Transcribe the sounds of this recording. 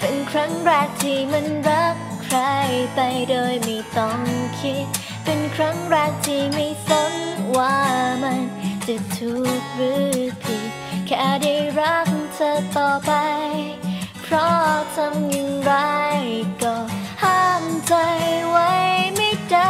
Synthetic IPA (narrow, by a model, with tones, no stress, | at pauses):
pe˨˧nkʰɾa˦˥ŋɾaː˧˩k̚t̪ʰiː˧˩ma˧˥˧nɾa˦˥k | kʰɾa˧jpa˧jdoː˧jma˧˩jt̪ɔ˧˩ŋkʰi˦˥t̪̚ | pe˧nkʰɾa˦˥ŋɾaː˧k̚t̪ʰiː˧˩ma˧˩jsa˧˥ŋwaː˧˩ma˧nt͡ɕa˨˩t̪ʰuː˨˩k̚ɾɯː˦˥pʰi˨˩ | kʰɛː˧˩da˧jɾa˦˥p̚t̪ʰəː˧t̪ɔː˨˩pa˧jj | pʰɾɔ˧˥t̪ʰa˧mji˧ŋɾa˧˦jkɔː˧˩haː˧˥˩mt͡ɕa˧jwa˦˥jjma˧jt͡ɕa˧